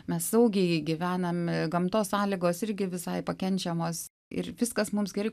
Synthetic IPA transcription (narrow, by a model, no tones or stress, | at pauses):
mʲɛssɐʊɡʲɛɪɡʲɪʋʲæːnɐmɡɐmt̪oːssɑːlʲɪɡoːsɪɾʲɡʲɪʋʲɪsɐɪpɐkʲɛnʲt͡ʃʲɛmoːs | ɪ̰rʋʲɪskɐsmʊmsɡʲɛɾʲrɛɪ